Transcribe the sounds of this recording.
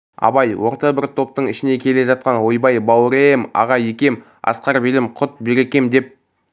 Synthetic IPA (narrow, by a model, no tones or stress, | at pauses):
ɑ̰bɑjwo̞ɾt̪ɑbɪɾt̪ʰo̞p̚t̪əɴɪʃɪne̞kʲʰe̞le̞ʒɑt̪̚qɑnwo̞jbɑjbɑwɾemɑ̰ʁɑjekʲe̞m | ɑ̰sqɑɾbɪlɪmqʰʊt̪̚beɾe̞kʲe̞md̪e̞p̚